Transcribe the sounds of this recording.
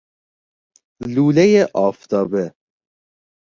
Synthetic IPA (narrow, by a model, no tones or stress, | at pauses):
luːlejeʔɒːft̪ʰɒːbe